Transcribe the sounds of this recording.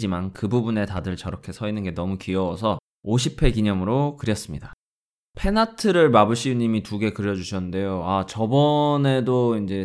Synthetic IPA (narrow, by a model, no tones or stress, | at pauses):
d͡ʑimankɯbubune̞tadɯɭt͡ɕʌɾʌkʰe̞sʰʌinɯnɡe̞nʌmukiʌwʌsʰʌ | oɕʰipʰe̞kiɲʌmɯɾokɯɾjʌs͈ɯmɲida | pʰe̞natʰɯɾɯɭmabɯɕʰiuɲimituɡe̞kɯɾjʌd͡ʑuɕʰʌnnde̞joat͡ɕʌbʌne̞doind͡ʑe̞